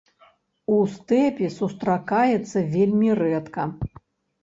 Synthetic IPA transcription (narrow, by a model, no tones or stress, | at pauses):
ust̪ɛpʲisust̪ɾakajɛt̪sːɐvʲelʲmʲirɛt̪kɐ